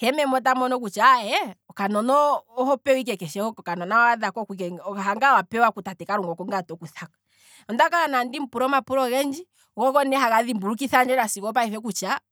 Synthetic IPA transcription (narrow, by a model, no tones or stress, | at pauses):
hɛmɛmɔt̬amɔnɔk̬ut͡ʃaɛɔkanɔnɔːhɔpɛɔwik̬ɛkɛʃɛɔɔkanɔnaaaðakɔkikɛɔkahaŋɡawapɛwakutatɛkaɾuŋɡɔkɔŋɡatɔkuθakḁ | ɔndakaɾanandim̩puɾɔmapuɾɔɣɛnd͡ʒi | ɔkɔkɔnɛɦaɣaðimbuɾuk̬iθand͡ʒɛɾasikɔp̬aɛfɛk̬ut͡ʃa